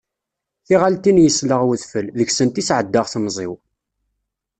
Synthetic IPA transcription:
θiʁalt̪injəsləʁwəðfəlðəçsənt̪isʕəd̪ːəʁθmzˤɪ̰w

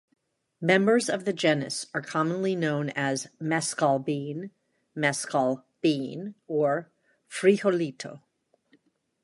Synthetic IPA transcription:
mɛ̃mbə˞zʌvðɨd͡ʒɛnɨ̰sə˞kʰɑmə̃nlinõʊ̃nɨzmɛskɑlˠbĩn | mɛskɑlˠb̥ĩnə˞ | fɹiholitʰoʊ

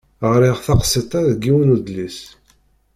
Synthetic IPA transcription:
ʁɾiʁθɑqsˤit̪ˤaðɡːiwnud̪lis

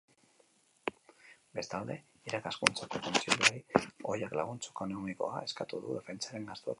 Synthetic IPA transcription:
be̞st̪ald̪e̞ | iɾakaskunt͡sako̞kont͡siʎuajo̞jaklaɣ̞unt͡sokonomiko̞̰a̰e̞skat̪uðuðe̞fe̞nt͡saɾe̞ŋɡast̪uḛk

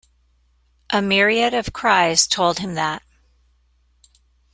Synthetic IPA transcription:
ʔəmɪɹiɨɾʌv̥kʰɹ̥aɪz̥tʰoʊlˠd̚ɨ̃mðət̚

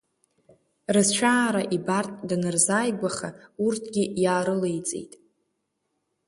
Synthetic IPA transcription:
rɨzt͡ʃʷʰaːɾaʔibartʼdanɨrzaːjɡʷaχaurtʰɡʲijaːɾɨlejt͡sʼḛjtʼ

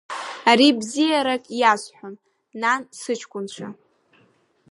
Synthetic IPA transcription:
aɾibzijaɾakʼjaʃʷħʷᶣʊnː | ansɨt͡ʃʰkʷʼʊnt͡ʃʷʰa

